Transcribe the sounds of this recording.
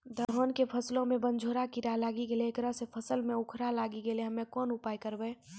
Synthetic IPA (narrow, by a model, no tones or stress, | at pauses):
d̪ʱəɾɦoːnkepʰəslõmẽbə̃nd͡ʒʱoːɾakiɾalaːɡiɡeleekɾəsepʰəsəlmẽʊkʰɾalaːɡiɡeleɦəmẽkɔːnʊpaːjkəɾbəe